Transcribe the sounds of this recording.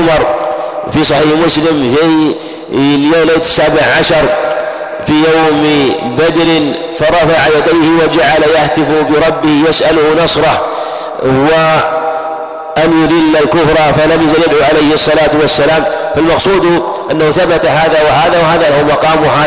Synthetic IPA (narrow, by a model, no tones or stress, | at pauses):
mɑɾˤfisˤɑħiːħmʊslɪmfi | ljaːleːt̪ɪ̥sːaːbɪʕʕaʃɑɾˤ | fijawmbad̪ɾɪn | fɑɾˤɑfaʕajad̪ajhɪwad͡ʒaʕalajaht̪ɪfʊbɪɾˤɑbːɪhjasʔalʊhnɑsˤɾˤɑ | wa | ʔanjʊðɪlːalkʊfɾˤɑfalamjazɪljad̪ʕuːʕalajhsˤːɑlaːt̪wasːalaːmfalmɑqsˤuːd̪ | ʔanːahuθabat̪aɦaːðawɪhaːðawaɦaːðalahmɑqɑːmha